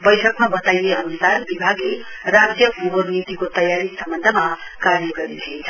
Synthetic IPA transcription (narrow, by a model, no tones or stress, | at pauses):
bʌjʈʰʌkmabʌt̪ajeɦʌnusarbibʱaɡle | rad͡zjʌɡubʌɾnit̪ikot̪ʌjaɾisʌmbʌnd̪ʱʌma | kaɾjʌɡʌɾit̪ʰient͡sʰʌ